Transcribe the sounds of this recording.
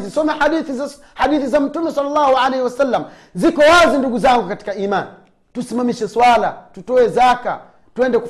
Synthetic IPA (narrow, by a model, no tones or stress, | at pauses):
zisɔmɛaɗiθiz | haɗiθizam̩tumɛsalːalːahuʕalɛhiwasalːam | zikɔwazinduɡuzaŋɡukati̥kaiːman | tusimamiʃɛswala̰tutɔwɛzaka̰ | tuwɛndɛku